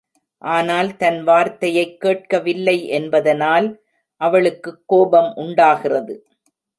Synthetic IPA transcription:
ʔaːnaːlt̪ɐnʋaːɾt̪ɐjɐɪkːeːʈ̚kɐʋɪlːɐɪʔɛnbɐðɐnaːl | ʔɐʋɐɭɯkːɯkːoːbɐmʔʊɳɖaːɣɪrɐðɯ

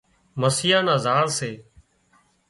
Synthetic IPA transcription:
məsɪjãːnãːzaːɳseː

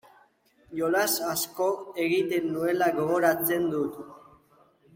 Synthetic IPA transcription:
jo̞lasasko̞e̞ɣit̪e̞nːue̞laɣo̞ɣo̞ɾat͡se̞nd̪ut̪

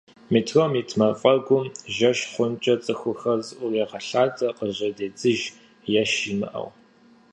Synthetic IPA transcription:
miːtʰromitʰmɐfʼɐɡʷʊmʒɐʃχʷʊnt͡ʃʼɐt͡sʼɨxʷʊxɐzʔʷʊreʁɐɬaːt͡sʼɐqəʑɐdeːd͡zʼɨʒ | jɛʃimɨ̰ʔɐ̰w

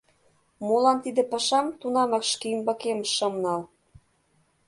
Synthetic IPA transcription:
molɑnt̪id̪ĕpɤʃɑmt̪unɑmɑkʃkiymbɑkemʃɤ̆mnɑl

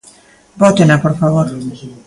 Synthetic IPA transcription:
bɔt̪enapoɾfaβoɾ

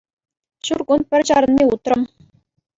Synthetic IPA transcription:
ɕurkunpʲɘ̆rʲt͡ɕɑɾɤ̆nmʲeut̪rɤ̆m

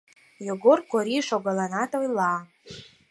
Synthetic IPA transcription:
joɡʊrkʰʷaɾiʂaɡʷalanatʼojla

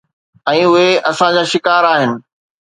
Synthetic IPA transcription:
ɛ̃ːʊɦeɐsãd͡ʑaːʃɪkaːɾaːɦɪnɪ̆

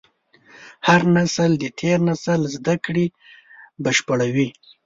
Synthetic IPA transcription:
haɾnasəld̪ət̪ʰeɾnasəlzd̪akɽi | baʃpəɽawi

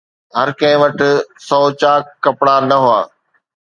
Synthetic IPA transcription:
ɦɐɾkɐ̃ɦɪ̃ʋɐʈɪ̆sɔːt͡ɕaːkkːɐpɽanɐɦʊa̰ː

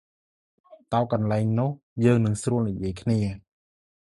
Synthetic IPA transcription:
t̪aɔkɑnlaɛŋnʊ̆əhjəːŋnɨŋsruəlnijiəjkʰniə

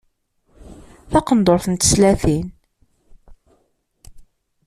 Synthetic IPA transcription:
θɑqənd̪oɾθənt̪ə̥slæθin

